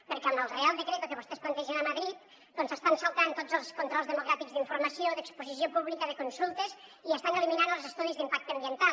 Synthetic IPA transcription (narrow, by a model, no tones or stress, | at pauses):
pəɾkaməlˠrealˠd̪əkɾet̪okəβust̪ɛsplənt̪ɛʒənəməðɾit̪̚ | d̥̪ɔnsəst̪ansəlˠt̪ant̪od͡zəlˠskunt̪ɾɔlˠzðəmuɣɾat̪iɡzðiɱfuɾməsioðəkspuzisiopuβlikəðəkunsulˠt̪əziəst̪anəliminanəlˠzəst̪uðizðimpak̚t̪əːmbiənt̪a